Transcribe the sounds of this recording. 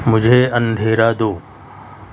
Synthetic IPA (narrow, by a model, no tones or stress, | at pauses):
mʊd͡ʒʱeːɐ̃nd̪ʱeːɾaːd̪oː